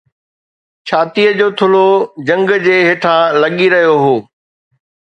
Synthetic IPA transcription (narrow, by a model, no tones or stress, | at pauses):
t͡ɕʰaːt̪ijəd͡ʑoːt̪ʰʊlod͡ʑɐ̃ŋɡd͡ʑeːɦeːʈʰãlɐɠiɾɐɦijoɦoː